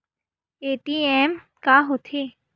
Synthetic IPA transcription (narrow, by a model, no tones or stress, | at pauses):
eːʈiɛːm | kaːɦot̪ʰeː